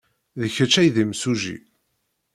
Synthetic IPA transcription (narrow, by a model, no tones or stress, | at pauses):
ðəçət͡ʃːæjðimsuʒḭ